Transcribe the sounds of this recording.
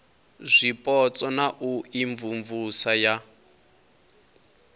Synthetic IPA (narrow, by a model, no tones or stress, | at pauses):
zʷipʼɔt͡sʼɔnaʔuiɱvuɱvusaja